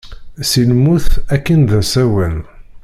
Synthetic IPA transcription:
silmuθækːənðæsæwən

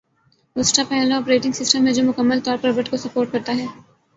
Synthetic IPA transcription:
ʊsʈapɛːlɔːpɾeːʈɪ̃ŋɡsɪsʈəmːẽd͡ʒoːmʊkəmːəlt̪ɔːɾpɐɾbɐʈkosɐpoːɾʈ̚kɐɾt̪aɦɛː

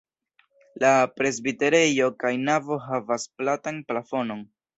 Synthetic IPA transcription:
lapɾe̞zbite̞ɾe̞jo̞kajnavo̞ɦavasplatanplafo̞no̞n

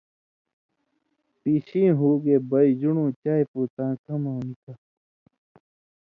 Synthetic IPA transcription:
piːɕĩːɦuːɡebɐid͡ʑuɳũːt͡ɕaːjpuːt̪ãːkʰɐmãːnika

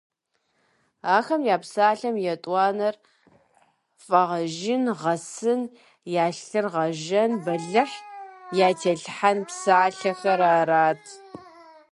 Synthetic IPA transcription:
aːxɐmjaːpsaːɬɐmjɛtʼwʷɑːnɐr | fʼɐʁɐʒɪnʁɐsɨn | jaːɬɨrʁɐʒɐnbɐɮɨħjaːtʰeːɬħanpsaːɬɐxɐɾaːɾaːtʰ

